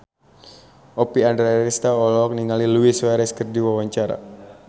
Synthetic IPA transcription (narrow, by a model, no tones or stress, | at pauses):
ʔɔpiandɾɛɾist̪aɔlɔk̚niŋaliluiswaɾɛskərdiwawaɲt͡ʃaɾa̰